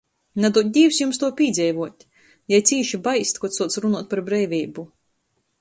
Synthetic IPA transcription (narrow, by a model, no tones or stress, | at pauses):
nad̪ut̪̚ʲd̪ʲiːwsjumst̪uɔpʲiːd̪zʲɛjvuɔt̪ʲ | jajt̪siːʃibajst̪kɔt̪suɔt̪sɾunuɔt̪̚ʲpaɾbɾɛjvʲiːbu